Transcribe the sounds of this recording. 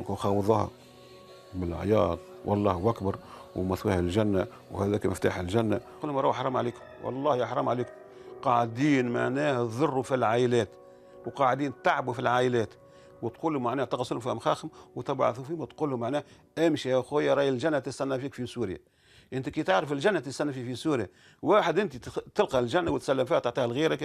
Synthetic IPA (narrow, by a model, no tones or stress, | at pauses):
kxɑwðˤɑhɑ̰ | bɪlʕ̰jɑːd̪ˤ | wʔɑ̰lˤːɑːhwʔækbɑɾˤwmæθwæːhælʒænːæ | whæðæːkmɪft̪a̰ːħɪlʒænːæqulːhʊmɾˤɑwʔħɾˤɑːmʕaliːkʊmwʔɑ̰lˤːɑːhjħɾˤɑːmʕaliːkm | qɑʕd̪iːnmaʕnæːhæðˤʊrˤːufilʕaːʔɪlæːt̪ | wqɑʕd̪iːnt̪aʕbufilʕaːʔɪlæːt̪ | wət̪quːlʊmaʕnæːht̪ɑqɑslʊmfiːhʊmxɑːxəmwt̪ɑbʕa̰θufiːmæt̪quːlːʊmaʕnæːh | ʔɪmʃiæxujæɾˤɑːjɪlʒænːæt̪ɪst̪ænːæfiːkfisuːɾja̰ | ʔɪnt̪ikiːt̪aʕɾəfɪlʒænːæt̪ɪst̪ænːæfiːfisuːɾja | waːħəd̪ʔɪnt̪it̪ɪlqɑlʒænːawət̪sælːəmfiːæt̪aʕt̪ˤiːhælɣiːɾak